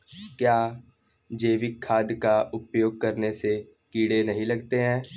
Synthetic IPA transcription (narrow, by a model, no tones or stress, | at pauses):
kjaː | d͡ʒeːʋɪkʰːaːd̪jkaʊpjoːɡ̚kɐɾnese | kiːɽenɐɦĩlɐɡt̪eɦɛ̃ː